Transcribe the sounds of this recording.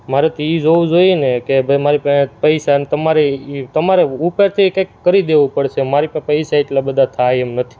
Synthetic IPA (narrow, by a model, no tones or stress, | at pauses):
maɾet̪ʰiid͡ʒoũd͡ʒoinekebʱəjmaɾipə̃pəjʃant̪əmaɾeit̪əmaɾeupeɾt̪ʰikakːəɾid̪eʋũpəɽʃemaɾipə̃pəjʃaeʈlabəd̪ʱat̪ʰajemnət̪ʰi̥